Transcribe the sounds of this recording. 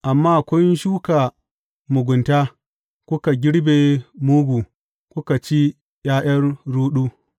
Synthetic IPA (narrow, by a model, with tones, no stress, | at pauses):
ʔa˨mːaː˦˨kʷɔ˦nʃuː˦ka˨ | mʊ˨ɡʷʊ˨nta˦ | kʷʊ˦ka˨ɡʲɪ˦ɽbe˨muː˦ɡʷuː˨ | kʷʊ˦ka˨t͡ʃi˦ | jaː˦j̰ɐ˦rɽuː˦ɗuː˦